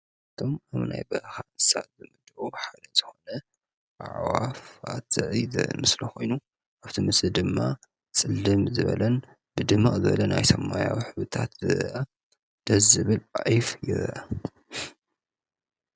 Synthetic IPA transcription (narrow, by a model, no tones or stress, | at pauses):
ɨt̪ʰo̞maβna̰jbɐʔxanɨsazɨmɨd̪ʔoħad̪ɐz̥ɨxo̞nɐ | ʔa̰ʕwafa̰t̪zɐʔizɐ̰ʔmɨslɐxo̞jnu | ʔaβt̪ʰimɨsɨd̪ɨmːa | t͡sʼɨlːɨmzɨβɐ̰lɐn | b̥ɨd̪ɨmːazɨβɐ̰lɐnajsɐmːajawħɨβɨt̪ʰat̪zɨʔa | d̪̥ɐzɨβɨlʔʼaʕifjɪ̰ɾʔɐ